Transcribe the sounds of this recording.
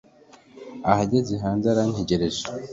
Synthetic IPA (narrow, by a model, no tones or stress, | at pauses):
ahaɟeziɦaːnzaɾanheɟeɾezo̥